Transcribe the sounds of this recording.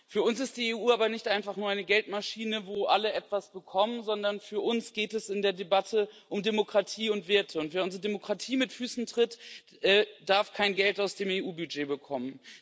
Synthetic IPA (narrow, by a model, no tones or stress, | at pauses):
fyːɐʊnsɪst̚d̥iːeːʔuːaːbɐnɪçtʔaɪnfaχnuːɐaɪnəɡɛltmaʃiːnəvoːʔaləʔɛtv̥asb̥əkʰɔmənzɔndɐnfyːɐʔʊnsɡ̥eːtɛsɪndeːɐdebatʰəʔʊmdemokʁ̥atʰiːʊntv̥eːɐtʰəʊntv̥ɛɐʊnzʁədemokʁ̥atʰiːmɪtfyːsn̩tʁ̥ɪt | ʔɛːd̥aɐfkʰaɪnɡɛltaʊsd̥eːmeːʔuːbyd͡ʒeːbəkʰɔmən